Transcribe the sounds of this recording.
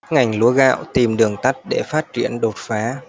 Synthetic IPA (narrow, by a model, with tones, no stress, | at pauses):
ŋa˨˩jŋ̟lu˧˦əɣa̰ː˧˨wt̪i˨˩mɗɨ˨˩əŋt̪a˦˥t̚ɗe˧˩faː˦˥t̚t͡ɕḭ˧˩ənɗo˨˩t̚faː˨˦